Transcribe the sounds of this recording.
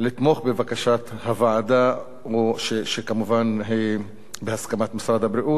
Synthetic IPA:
lit̪moχbevakaʃat̪havad̪a | oʃeʃekamuvanɦij | behaskamat̪misɾad̪habɾiʔut̪

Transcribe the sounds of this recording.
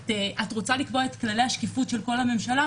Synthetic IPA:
teatʁot͡salikbo̞et̪klalejhaʃkifutʃe̞lko̞lame̞mʃala

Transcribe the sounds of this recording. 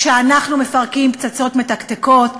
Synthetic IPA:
ʃeanaχnume̞faʁkimpt͡sat͡sotme̞takteko̞t

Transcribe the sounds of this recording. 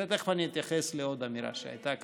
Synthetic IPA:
at̪exfanjet̪jaxesleod̪amiɾa̰ʃa̰et̪ak

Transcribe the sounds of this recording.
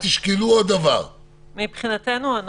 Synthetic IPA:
t̪iʃkiluod̪avaʁ | mipχinat̪enuan

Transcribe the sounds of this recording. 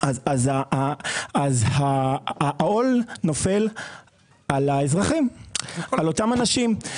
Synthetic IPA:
aazaaazha | o̞lno̞fe̞l | alaezʁaχimalo̞t̪amanaʃim

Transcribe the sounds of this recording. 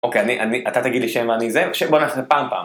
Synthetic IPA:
okejaniʔaniʔat̪at̪aɡid̪liʃenvaanizeʃebonaaxepaːmpa̰ːm

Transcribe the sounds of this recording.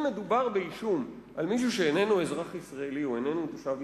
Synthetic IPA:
me̞d̪ubaʁbe̞iʃum | ʔalmiʃ̬uʃeːne̞nuezʁaχisʁaeliuene̞nut̪oʃav

